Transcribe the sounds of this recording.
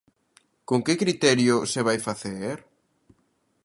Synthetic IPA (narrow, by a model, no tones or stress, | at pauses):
koŋkɪkɾit̪ɛɾjʊseβ̞ajfaθeɾ